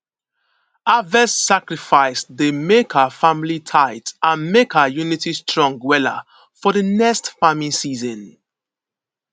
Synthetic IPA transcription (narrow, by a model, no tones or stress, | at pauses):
avɛssakɹifaɪsdemekʰəfamilitʰaɪtãnmekəjunitistɹɔ̃ŋɡwɛla̰ | fɔdənɛkstfamĩnsiːzə̃n